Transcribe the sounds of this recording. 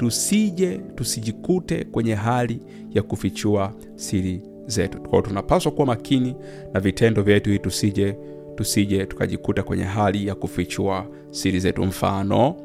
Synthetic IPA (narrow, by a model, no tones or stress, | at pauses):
tusiʄɛtusiʄikutɛ̰kwɛɲɛɦali | jakufit͡ʃua | siɾi | zɛtu̥kwa̰ɔtunapaswakuwamakʰini | navitʰɛndɔvjɛtuhitusiʄɛ | tusiʄɛtu̥ka̰ʄikutakwɛɲɛ̰ɦalijakufit͡ʃua | siɾizɛtṵm̩fa̰nɔ